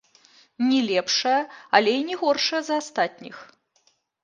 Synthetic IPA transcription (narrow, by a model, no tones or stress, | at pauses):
nʲɛlʲɛpʂɐjɐɐlʲɛinʲɛɣɔrʂɐjɐzɐast̪at̪ʲnʲḭx